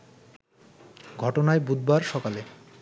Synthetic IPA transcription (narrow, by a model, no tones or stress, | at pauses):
ɡʱɔʈonaebud̪̚baɾʃɔkale